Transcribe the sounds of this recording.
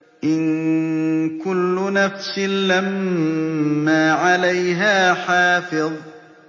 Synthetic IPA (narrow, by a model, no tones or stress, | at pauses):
ʔɪn | kʊlːʊnafsɪnlamː | aːʕalajɦaːħaːfɪðˤ